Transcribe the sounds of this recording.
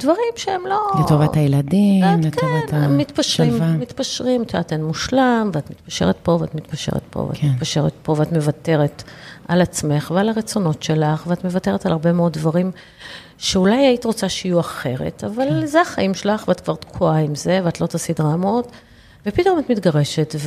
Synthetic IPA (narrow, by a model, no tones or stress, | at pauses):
d̥vaʁimʃeemlo̞letovatajeladimlektovantmit̪paʃʁimmːit̪paʃʁimtat̪enmuʃlamveatmitpaʃe̞̰ʁet̪po̞vea̰tmit̪paʃeʁḛt̪po̰v̰a̰mitpaʃe̞ʁḛtpo̞veatme̞vate̞ʁetalat͡sme̞χvealaʁet͡so̞no̞tʃe̞laχveatmevate̞ʁetalaʁbe̞meo̞ddvaʁim | ʃeulajait̪ʁo̞t͡saʃajuaχe̞ʁḛtavalzeaχaʔimʃelaχveatkvaʁt̪kʰuaimze̞veat̪lo̞t̪asidʁamot | vepitomatmitɡaʁe̞ʃetv